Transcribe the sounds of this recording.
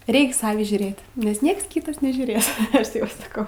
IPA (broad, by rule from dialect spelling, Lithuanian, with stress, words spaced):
ˈrʲɛɪks ˈsɑːʋʲiː ʒʲuːˈrʲeːt nʲɛs ˈnʲiɛks ˈkʲiːtɐs nʲɛʒʲuːˈrʲeːs ˈɐʃ ˈtʲeːp sɐˈkɐʊ